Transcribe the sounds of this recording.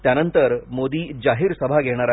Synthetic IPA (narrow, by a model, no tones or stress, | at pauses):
t̪janənt̪əɾmod̪iːd͡ʑaɦiːɾsəbʱaɡʱeɽ̃aɾa